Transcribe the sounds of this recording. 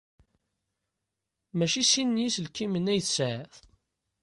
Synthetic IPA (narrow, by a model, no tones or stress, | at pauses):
mæʃisinːisəlkːimənæjθsʕəθ